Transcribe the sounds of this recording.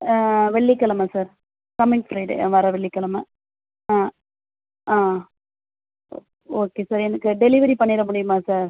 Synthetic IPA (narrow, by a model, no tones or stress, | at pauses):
ʋɛɭːikːɐɭɐmɐsaːɾ | kɐmɪŋfɾɐɪɖḛʋɐɾɐʋɛɭːɪkːɐɭɐmɐ | aː | aː | oːkeːsaːɾɛnɐkːɯɖɛlɪʋɐɾipɐɳːɪɾɐmʊɽɪjɯmaːsaːɾ